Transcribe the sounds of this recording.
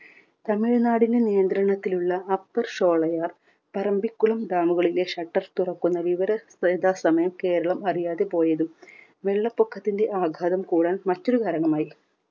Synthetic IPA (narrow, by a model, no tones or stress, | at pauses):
t̪ɐmiɭnaːɽindenijɐnd̪ɾɐɳɐt̪ːiluɭːɐːpːɐrʂo̞ːɭɐjaːr | pɐɾɐmbikːuɭɐmd̪aːmuɣɐɭile̞ʂɐʈːɐrt̪urɐkːunːɐʋiʋɐɾɐsed̪ʱaːsɐmɐjɐmke̞ːɾɐɭɐmɐrijaːðepo̞ːjɐðum | ʋe̞ɭːɐpːokʰːɐt̪ːinde̞ʔaːɡʱaːðɐmkuːɽaːnmɐtːo̞ɾukaːɾɐɳɐmaːji